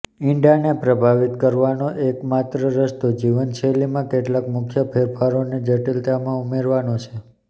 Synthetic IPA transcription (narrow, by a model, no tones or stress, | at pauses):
iɳɖanepɾəbʱaʋit̪kəɾʋanoʔekmat̪ɾəɾəst̪od͡ʒiʋənt͡ʃʰelimãkeʈlakmʊkʰjəpʰeɾfʰaɾoned͡ʒəʈilt̪amãumeɾʋanot͡ʃʰe